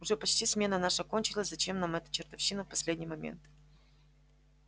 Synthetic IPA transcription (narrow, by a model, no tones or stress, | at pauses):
ʊʐɛpɐt͡ɕʲtʲismʲe̞nənaʂəkonʲt͡ɕɪlˠəzɐt͡ɕe̞mnamɛt̪ə̥t͡ɕɪrt̪ɐfɕːinəfpɐsʲlʲedʲnʲɪjmɐmʲḛnt̪